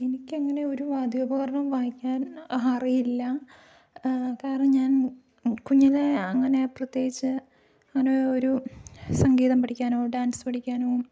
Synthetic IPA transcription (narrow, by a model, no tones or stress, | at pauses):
enikʲːɨɐŋːɐne̞o̞ɾuʋaːd̪ʱjoːbɐɣɐrɳɐmʋaːhikʲːaːnɦaːrijilːɐ | kaːɾɐɳɐmɲaːn | kuɲːileɐŋːɐne̞prɐt̪je̞ːɡit͡ɕːɨ | aːnooɾusɐŋɡiːðɐmpɐʈʰikʲːaːnoːɖaːnsɨ̥pɐʈikʲːaːnoː